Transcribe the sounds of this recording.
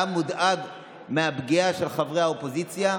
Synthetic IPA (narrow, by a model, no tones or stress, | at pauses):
mud̪ʔad | meabɡiaʃelχavʁeaopo̞zit͡sja